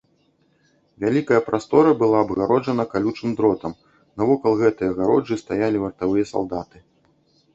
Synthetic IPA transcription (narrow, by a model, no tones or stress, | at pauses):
vʲalʲikɐjɐpɾʔast̪ɔɾɐbɨlˠaɐbɣaɾɔʐɐnɐkalʲut͡ʂ̪ɨmd̪ɾɔt̪ɐm | nɐvɔkɐlˠɣɛt̪ɨjɐɣaɾɔd͡ʐɨst̪ajalʲivɐrt̪avɨjɐsa̰lˠd̪at̪ɨ